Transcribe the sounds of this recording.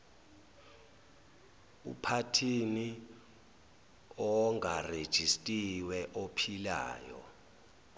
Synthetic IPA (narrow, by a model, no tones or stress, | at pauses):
ṵpʰatʰini | ɔŋɡʱared̥ʒ̥ʱistʼiwɛʔopʰila̰ːjɔ̰